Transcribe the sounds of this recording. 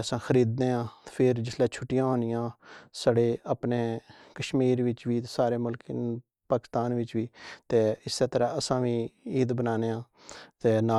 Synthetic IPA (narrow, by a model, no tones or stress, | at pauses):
əsãːxʰəɾiːd̪̚neːãːpʰɪɾd͡ʒɪslɛːt͡ʃʰʊʈːɪjãːɦõːnɪjãːsəɽeːəːpneːkəʃmiːɾʋɪt͡ʃʋiːt̪ːsaːɾeːmʊlk | paːkɪst̪aːnʋɪt͡ʃʋiːt̪eːɪseːt̪əɾãːəsãːʋiːiːd̪bənaːneːãː | t̪eːnaː